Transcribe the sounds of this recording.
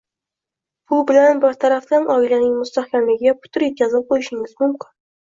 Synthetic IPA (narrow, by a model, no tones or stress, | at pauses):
b̥ʊbɪlanbɪɾt̪ʰaɾafd̪anʔɒɪlanɪŋmʊst̪ahkʲʰamlɪɡʲɪɡʲapʰʊ̥t̪ʰʊɾjet̪̚kʲʰazɪp̚qʰojɪʃɪŋɪzmʊmkʲʰɪn